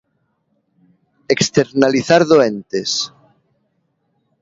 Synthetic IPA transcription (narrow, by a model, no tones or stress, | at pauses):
ekst̪eɾnaliθaɾðoent̪es